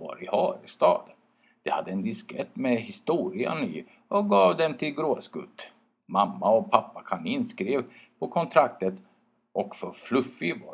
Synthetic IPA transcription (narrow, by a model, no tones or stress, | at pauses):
va̰ɾɪhɑːɾɪst̪ɑ̰ːd̪ə | d̪̥ɛhad̪ːəɛnd̪ɪskɾɛt̪ːmɛhɪst̪uːɾɪə̰nɪ | ɔɡɑːvd̪ɛmt̪ʰɪlɡɾoːsɡɵ̰t̪ː | mamːaɔpʰapːakʰanɪnːskɾeːvpʰɔkʰɔnt̪ʰɾak̚t̪ət̪ | ʔɔkfœɾflɵfːɪva̰